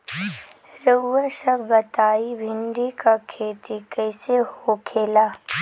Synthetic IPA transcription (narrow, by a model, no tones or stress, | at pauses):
ɾəːəʃəbːɐt̪aːibʱɪɳɖikakʰeːt̪ikəːsehokʰeːlaː